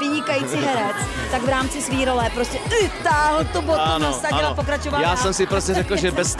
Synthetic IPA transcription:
ɪɲɪkajit͡siɦɛɾɛt͡s | t̪aɡvɾaːmt͡sɪsviːɾolɛpɾo̞scʲɛʔɪt̪aːɦl̩t̪obot̪unast̪at͡ʃɪapokɾat͡ʃovajaːsɛmsɪpɾoscʲɛɾɛklʒɛbɛs

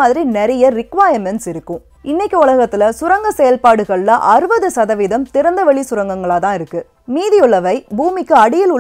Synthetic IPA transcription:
aːðɪɾinɛɾɐjɐɾɪkʋaːjɐmɛnsɪɾɯkːɯ̃ | ɪnːɛkːɯʊɭɐɣɐt̪ːɪlɐsʊɾɐŋɡɐsɛjɐlpaːɽɯɣɐɭːɐʔɐɾɯbɐðɯsɐðɐʋɪðɐmt̪ɪɾɐnd̪ɐʋɛɭisʊɾɐŋɡɐŋɡɐɭaːt̪ãːɪɾɯkːɯ | miːðɪʊɭːɐʋɐɪbuːmɪkːɯɐɽɪjɐlʊɭ

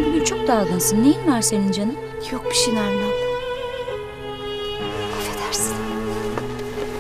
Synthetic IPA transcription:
byɡʲynt͡ʃʰo̞k̚d̪aːɡ̪ɯnsɯnːejinvaɾsenind͡ʒanɯ | jok̚pʰi̥ʃinaɾni | oʃad̪ʰæɾsɨ̥n

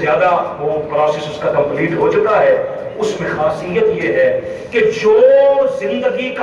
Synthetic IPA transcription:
jaːd̪aʋoːpɾɔːseːsʊskakɐ̃mpliːʈɦot͡ʃʊkaɦɛː | ʊsmẽxaːsijət̪jeːɦɛː | ked͡ʒoːzɪ̃nd̪əɡik

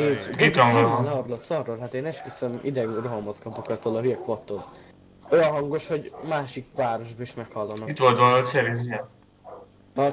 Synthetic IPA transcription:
eːzit̪ɔŋolɛɒɾulɒsɒrːoːlɦat̪eːnɛʃkisɛmḭd̪ɛɡuroɦomot̪kɒpokɒt̪olɒɦyjɛkʋot̪ːoːl | ojɒɦɒŋɡo̞ʃho̞ɟmaːʃikʋaːɾo̞ʒbɒiʃmɛkhɒlːɒnːɒit̪ʋolt̪d̪olɐɦocsɛɾenziɛn | ɒ

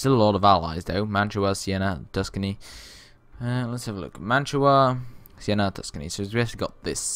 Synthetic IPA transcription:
səlɔɾəvala̰ɪzðoʊmãnt͡ʃʰəəsiɛnədʰʌskəni | ələtshəvəlʊ̰kmãnt͡ʃɹəə | siɛñətʰʌ̥skənḭsoʊzɹɛʃliɡɒt̪̚ðɪs

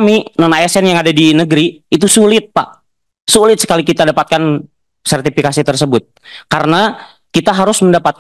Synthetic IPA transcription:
minɔnajasɛnjaŋadadinəɡɾiːt̪̬usulɪt̪̚pa̰ʔ | sulɪt̪̚sə̥kalikit̪adapat̪̚kan | sɛrt̪ifikasit̪ərs̬əbʊt̪̚kaɾəna | kit̪aɦaɾʊsməndapat̪̚k

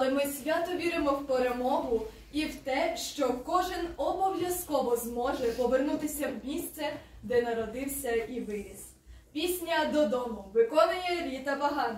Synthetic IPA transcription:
ɐlˠɛmɪsʲʋʲat̪ɔʋʲiɾɪmɔwpeɾemɔɦʊ | iwt̪ɛʃt͡ʃɔkɔʒɪnɔbɔʋʲjɐskɔʋɔzmɔʒɛpɔʋernut̪ɪsʲɐwmʲist̪sɛ | d̪ɛnɐɾɔd̪ɪwsʲɐiʋɪɾʲiz̥ | pʲisʲnʲɐd̪ɔd̪ɔmʊʋɪkɔnɐjɛɾʲit̪ɐpɐɦɑn

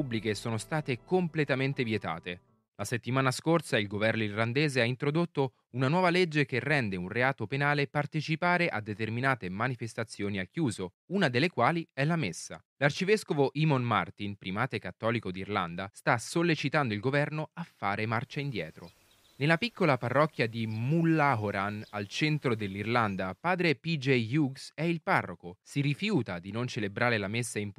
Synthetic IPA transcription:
pubːlikesoːnost̪aːt̪ekomplet̪ament̪evjet̪a̰ːt̪e | laset̪ːimaːnaskorsailɡovɛrnoirland̪eːzeaint̪ɾod̪ot̪ːo | unanwɔːvaled͡ʒːekerːɛnd̪eunreaːt̪openaːlepart̪et͡ʃipaːɾeʔa̰d̪ːet̪erminaːt̪emanifest̪at̪sːjoːniakːjuːzo | unad̪elːekwaːliɛlamesːa̰ | lart͡ʃivɛskovoʔimonma̰rt̪inpɾimaːt̪ekat̪ːɔːlikod̪irland̪ast̪asolːet͡ʃit̪and̪oilɡovɛrnoafːaːɾemart͡ʃaind̪jɛːt̪ɾo | nelapikːolaparːɔkːjad̪imulːaɦoɾanalt͡ʃɛnt̪ɾod̪elːirland̪apaːd̪ɾepid͡ʒejjuɡsɛilparːokosiɾifjuːt̪ad̪inont͡ʃelebɾaːɾelamesːaimp

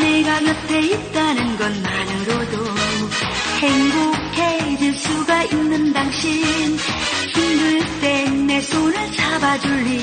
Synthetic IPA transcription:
neɡamjʌtʰeit̚t͈anɯnɡʌnmanɯɾodo | heŋbokʰed͡ʑiɭs͈uɡainːɯndaŋɕʰinçʰinduɭt͈emesʰonɯɭt͡ɕʰabad͡ʑuɭːi

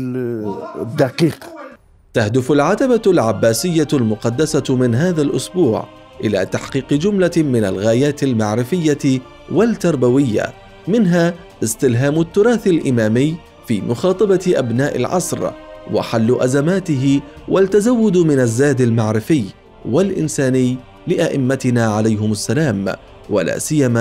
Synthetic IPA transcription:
d̪aqiːq | t̪ahd̪ʊfʊlʕat̪abalʕabːaːsɪjːalmʊqɑd̪ːasamɪnɦaːðalʔʊsbuːʕ | ʔɪla̰ːt̪aħqiːqɪd͡ʒʊmlamɪna̰lɣaːjaːt̪ɪlmaʕɾɪfɪjːa | walt̪ɑɾˤbawɪjːa̰ | mɪnɦaː | ʔɪst̪ɪlɦaːmʊt̪ːʊɾˤɑːθɪlʔɪmaːmɪjː | fiːmʔʊxɑːt̪ˤɑbɑʔabnaːʔɪ̰lʕɑ̰sˤɾwa̰ħalːʊʔazamaːt̪ɪɦɪwʔalt̪ːazawːʊd̪mɪnazːaːd̪almaʕɾɪfɪj | walʔɪ̰nsaːnɪjː | lɪʔaʔɪmːat̪ɪnaːʕalajɦʊmʊsːalaːm | wa̰la̰ːsɪjːamaː

